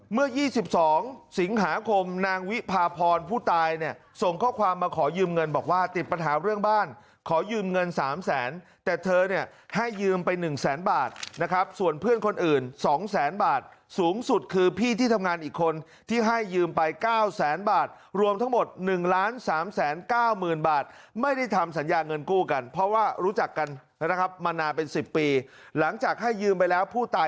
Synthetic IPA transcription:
mɯ˥˩əjiː˥˩si˨˩p̚sɔː˩˦ŋsi˩˦ŋɦaː˩˦kʰo˧mnaː˧ŋwi˦˥pʰaː˧pʰɔː˧npʰuː˥˩t̪aː˧jni˥˩əso˨˩ŋkʰɔː˥˩kʰwaː˧mːaː˧kʰɔː˩˦jɯː˧mŋɤ˧nbɔː˨˩k̚waː˥˩t̪i˨˩t̪̚pa˧nɦaː˩˦ɾɯ˥˩əŋbaː˥˩n | kʰɔː˩˦jɯː˧mŋɤ˧nsaː˩˦msɛː˩˦nt̪ɛː˨˩t̪ʰɤː˧ni˥˩əha˥˩jːɯː˧mpa˧jnɯ˨˩ŋsɛː˩˦nbaː˨˩t̪̚na˦˥kʰɾa˦˥p̚su˨˩ənpʰɯ˥˩ənkʰo˧nʔɯː˨˩nsɔː˩˦ŋsɛː˩˦nbaː˨˩t̪̚suː˩˦ŋsu˨˩t̪̚kʰɯː˧pʰiː˥˩t̪ʰiː˥˩t̪ʰa˧ŋaː˧nʔiː˨˩kʰːo˧n | t̪ʰiː˥˩ɦa˥˩jːɯː˧mpa˧jkaː˥˩wsɛː˩˦nbaː˨˩t̪̚ | ɾu˧əmt̪ʰa˦˥ŋmo˨˩t̪̚nɯ˨˩ŋlaː˦˥nsaː˩˦msɛː˩˦nkaː˥˩wmɯː˨˩nbaː˨˩t̪̚ma˥˩jda˥˩jt̪ʰa˧ms̬a˩˦njaː˧ŋɤ˧nkuː˥˩ka˧npʰɾɔ˦˥waː˥˩ɾuː˦˥t͡ɕa˨˩kːa˧n | na˦˥kʰa˦˥p̚maː˧naː˧npe˧nsi˨˩pːiː˧ | la˩˦ŋt͡ɕaː˨˩k̚ha˥˩jːɯː˧mpa˧jlɛː˦˥wpʰuː˥˩t̪aː˧

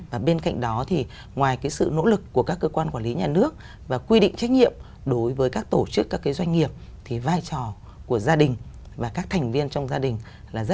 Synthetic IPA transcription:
vaː˨˩ɓe˧nka̰˧˨jŋ̟ɗɔ˨˦t̪ʰi˨˩ | ŋwaː˨˩jkaː˨˦jsɨ̰˧˨no̰˧˥lɨ˨˩kːu˧˩əkaː˦˥kːəː˧kwaː˧nkwaː˧˩nli˨˦ɲaː˨˩nɨ˦˥ək̚ | vaː˨˩kwi˧ɗḭ˧˨ŋ̟t͡ɕa˦˥jk̟̚ɲḭ˧˨əm | ɗo˨˦jvəː˨˦jkaː˦˥k̚t̪o˧˩t͡ɕɨ˦˥kːaː˦˥kːaː˨˦jzwa˧jŋ̟ŋi˨˩əp̚t̪ʰi˨˩vaː˧jt͡ɕɔ˨˩ | ku˧˩əzaː˧ɗï˨˩ŋ̟ | vaː˨˩kaː˦˥k̚t̪ʰɛ˨˩ŋ̟vi˧ənt͡ɕɔ˧wŋ͡mzaː˧ɗï˨˩ŋ̟ | laː˨˩zə˦˥

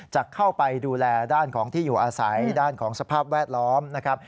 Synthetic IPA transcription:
t͡ɕa˨˩kʰːa˥˩wpa˧jduː˧lɛː˧daː˥˩nkʰɔː˩˦ŋt̪ʰiː˥˩juː˨˩ʔaː˧sa˩˦jdaː˥˩nkʰɔː˩˦ŋsa˧pʰaː˥˩p̚wɛː˥˩t̪̚lɔː˦˥mna˦˥kʰɾa˦˥p̚

